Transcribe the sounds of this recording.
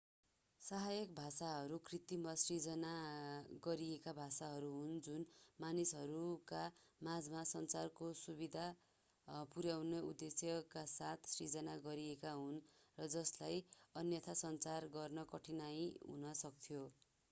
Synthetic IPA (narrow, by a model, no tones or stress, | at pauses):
sʌɦajʌk̚bʱasaɦʌɾukrit̪imʌsrid͡zʌnaɡʌɾiekabʱasaɦʌɾuɦund͡zunmanisɦʌɾukamad͡zmasʌnt͡sarkosubid̪ʱa | puɾjawneud̪ːesjʌkasat̪ʰsrid͡zʌnaɡʌɾiekaɦunrʌd͡zʌslajʌnjʌt̪ʰasʌnt͡sarɡʌrnʌkʌʈʰinajɦṵnʌsʌkt̪ʰijo